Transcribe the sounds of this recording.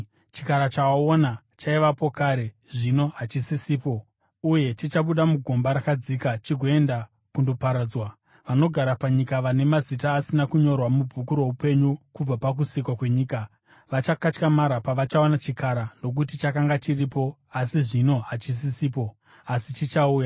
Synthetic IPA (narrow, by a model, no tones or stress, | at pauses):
t͡ʃikaɾat͡ʃaaona | t͡ʃaiʋapo̞kaːɾe̞ | ʐino̞ɦat͡ʃisisiːpo̞ | uje̞t͡ʃit͡ʃaɓuɗamuɡʱombaɾakad͡zikat͡ʃiɡʱo̞e̞nda | kundo̞paɾaːd͡zwa | ʋano̞ɡʱaɾapaɲikaʋane̞mazitaːsinakuɲo̞rwamub͡vʱukuɾo̞upe̞ɲukub͡vapak̬usikwakwe̞ɲiːka | ʋat͡ʃakat͡ʃkamaɾapaʋat͡ʃao̞nat͡ʃikaɾano̞k̬utit͡ʃakaŋɡat͡ʃiripo̞ | asiʐino̞ɦat͡ʃis̬isiːp̬o̞ | asit͡ʃit͡ʃauːja